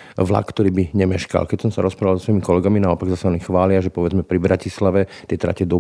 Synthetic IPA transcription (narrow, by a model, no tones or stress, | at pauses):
ʋla̰kkːt̪ɔɾiːbiɲɛmɛʃka̰lkɛcsɔmsaɾɔspɾaʋalzɔsʋɔjimikɔlɛɡaminaɔpaɡzasaɔnixʋaːlɪaʒɛpɔʋɛd͡zmɛpɾibɾacislaʋɛt̪ɪɛt̪ɾa̰cɛd̪ɔ